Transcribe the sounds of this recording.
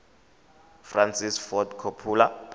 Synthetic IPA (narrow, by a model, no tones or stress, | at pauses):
fransisfɔtkʰopʰuːla